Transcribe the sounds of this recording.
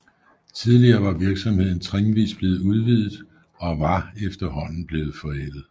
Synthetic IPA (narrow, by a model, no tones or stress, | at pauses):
t͡sʰið̞ˠliɐːʋɑ̈ʋiɐɡ̥sɒ̽mhe̝ð̞̰ˠn̩t͡sʰʁeŋʋḭːsb̥le̝ːð̩ˠuð̞ˠʋiðˠð̩ˠ | ɒ̽ʋɑ̈efd̥ɐɦɒ̽n̰n̩b̥le̝ːð̞̩ˠfɒ̽ed̥ð̩ˠ